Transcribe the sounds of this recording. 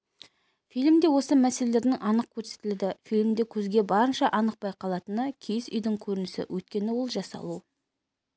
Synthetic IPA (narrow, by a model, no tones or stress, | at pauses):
fijlmd̪e̞wo̞səmæse̞lele̞ɾd̪ɪŋʔɑnəq̚kʲʰɵɾse̞̥t̪ɪld̪ɪfijlʲmd̪e̞kʲʰɵzɡʲe̞bɑɾənʃɑʔɑnəq̚pɑjqʰɑlˠɑt̪ənəkʲʰijɪsʏjd̪ɪŋkʲʰɵɾɪnɪsɪ̰wʔɵt̪̚kʲe̞nɪwo̞lˠʒɑsɑ̰lˠu